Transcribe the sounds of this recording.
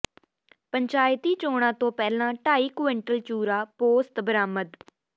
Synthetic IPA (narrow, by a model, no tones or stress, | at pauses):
pəɲt͡ʃaːɪt̪iːt͡ʃoːɽ̃ãːt̪õːpɛːlãːʈaːiːkʊʋɪ̃ɳʈəlt͡ʃuːɾaːpoːst̪bəɾaːməd̪